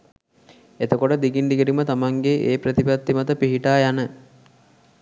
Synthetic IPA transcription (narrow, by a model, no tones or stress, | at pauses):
et̪əkoʈəd̪iɡinɖiɡeɾimət̪amaŋɡeʔeːpɾət̪ipat̪ːimat̪əpiɦiʈaːjanə